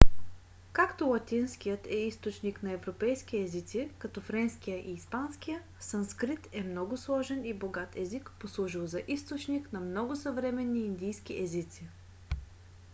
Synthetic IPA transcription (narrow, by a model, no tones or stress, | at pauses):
kakt̪olˠɐt̪ʲinskijət̪ɛist̪ot͡ʃniknɐɛvɾopɛjskiɛzit̪sikɐt̪ɔfɾɛnskijəʔiːspanskijə | sənskɾit̪ɛmnɔɡʊslˠɔʒɛniboɡat̪ɛzikposlˠuʒilˠzɐʔist̪ot͡ʃniknɐmnɔɡʊsəvɾɛmɛnːiːnd̪ijskiʔɛzit̪si